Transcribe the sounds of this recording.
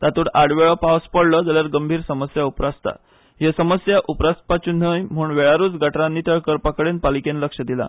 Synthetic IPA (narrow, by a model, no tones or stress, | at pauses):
t̪at̪uːɽaɽʋeɭəpawspəɽləd͡zaljaɾɡəmbʱiːɾsəməsjaupɾast̪a̰ | jesəməsjaʔupɾast̪̚pat͡ɕun̤əjm̤uːɳʋeɭaɾuːd͡zɡəʈɾãnːiːt̪əɭkəɾpakəɽenpalikenləkʂəd̪ila̰